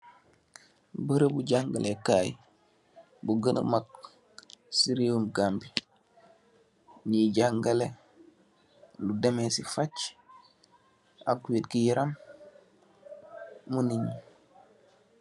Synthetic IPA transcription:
bəɾebuɟaŋɡalekaːj̰ | buɡənə̰mak̚ | siɾiumɡambi | niɟaŋɡale | ludemesifat͡ʃ | a̰kːuwitkijiɾam | uniɲi

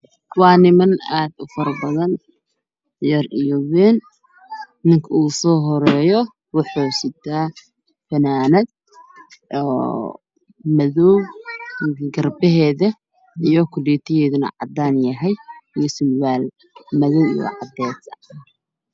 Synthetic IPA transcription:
wɑːnɪmɐnaːd̪ʊfɐɾɐbɐðɐn | jɐrijɔwɛːnː | ɪŋkʰɐuːsɔːɦɔɾɛːjɔ | wʊħuːsɪt̪ʰaː | fɐnaːnɐd̪̚ | ʔɔː | mɐðɔwnɪkɐɡɐrbɛɦɛːðɐ | ijɔkʰʊliːt̪ʰɪjɛːðʊnɐ̰ʕɑ̰d̪aːnjɐɦɛjijɞsʊlwaːl | mɐðɔwijɔ̰ʕɑd̪ɛːsɐ

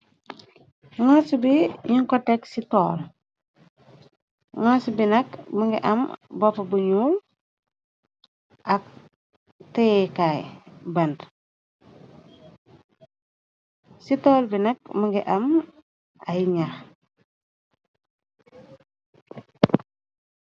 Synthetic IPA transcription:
ŋasubiɲiŋkɔteksitɔːl | ŋasubinɐkməŋɡiʔɐ̰mbɔpabuɲuːl | ʔɐk̚ | tekajbɐnd | sitoːlbinɐk̚məŋɡiʔɐm | ajɲax

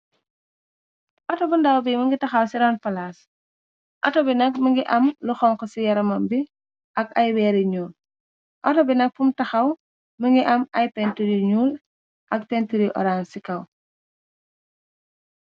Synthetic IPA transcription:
ʔɔtɔbundawbiməŋɡitɐxɐwsiɾɔnpɐlaːs | ʔɐtɔbinɐk̚məŋɡiʔɐmluxɔŋkɔsijɐɾɐmɐmbi | ʔɐkɐjwɛːɾiɲuːl | ʔɔtɔbinɐk̚fumtɐxɐw | məŋɡiʔɐmɐjpɛntuɾiɲuːl | ʔɐk̚pɛntiɾiʔɔ̰ɾaːnsikɐw

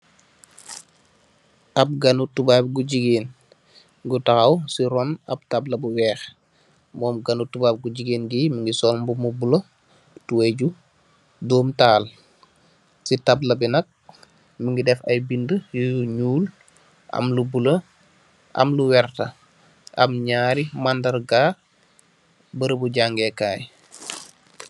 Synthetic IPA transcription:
ʔɐp̚ɡɐnutubaːp̚ɡuɟiɡeːn | ɡutɐxɐwsiɾɔnɐ̰p̚tablɐbuwɛːx | mɔːmɡɐnutubaːb̚ɡuɟiɡeːnɡiməŋɡisɔlmbumubulə | tuweɟu | dɔːmtaːl | sitablɐbinɐk̚ | məŋɡidɛfɐjbindəjuɲuːl | ʔɐ̰mlubulə | ʔɐ̰mluwɛrtɐ | ʔɐ̰mɲaːɾimandɐrɡaː | bəɾəbuɟaŋɡɛkaːj

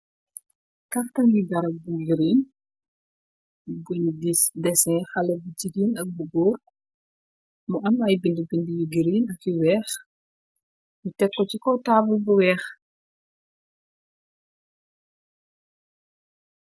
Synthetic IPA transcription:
kɐftɐŋɡiɡɐɾɐbuɡiɾin | ɡɔndidɛsɛ̃xɐlɐbucidinɐk̚buɡɔːr | muʔɐmɐjbindibindijuɡiɾiːnɐkjiwɛːx | mutɛkːɔcikɔtaːbulbuwɛːx

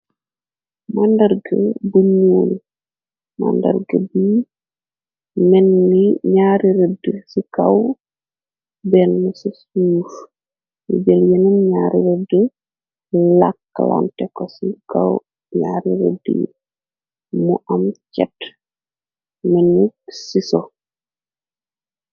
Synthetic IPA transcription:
mandɐrɡəbuɲuːn | ma̰ndɐ̰rɡəbi | mɛnːiɲaːɾiɾədəsikaw | bɛnːusisuːf | jṵd͡ʒeljenumɲaɾiɾədə | lakːala̰ntɛkɔsikaw | ɲaɾiɾə̰dḭ | muʔamt͡ʃɛt | mɛnuksiso

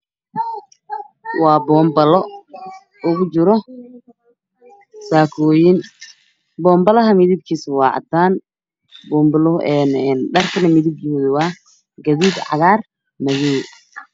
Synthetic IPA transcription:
wɑːbɔːmbɐlɔ | ʊɣʊt͡ʃɪɾɔ | saːkʰɔːjɪn | bɔːmbɐlɐɦɐmɪðib̚kʰiːswɑːʕɑ̰d̪aːn | bɔːmbɐlɔɛːnɛnɖɐrkʰɐnɐmɪðɪb̚d͡ʒɪðɪwɑː | ɡɐðiːd̪ʕɑ̰ðaːr | mɐɣɛ

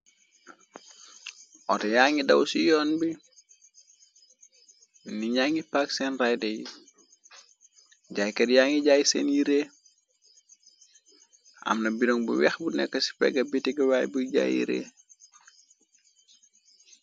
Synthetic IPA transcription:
ʔɔ̰tɛjaːŋidɐwsijɔnbi | niɲaŋipaksɛnrajdɛji | ɟajkɛdjaŋiɟajsɛnjiɾeː | ʔɐ̰mnɐbiɾɔŋbṵwɛxbunɛ̰kːəsi̥pɛ̰ɡɐbitiɡɐwaːjbuɟa̰jḭɾḛː

